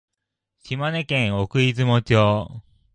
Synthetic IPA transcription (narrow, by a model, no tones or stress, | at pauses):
ɕimanekẽɰokɯ̟it͡sɨmot͡ɕoː